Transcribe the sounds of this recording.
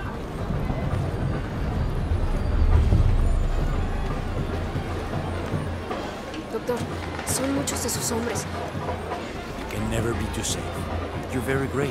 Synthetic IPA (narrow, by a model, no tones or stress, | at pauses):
d̪ok̚t̪oɾ | so̞nmut͡ʃozðesusõ̞mbɾes | jukʰɛ̃nːɛvə˞bitʰusḛɪfjɔ˞vɛɹiɡɹe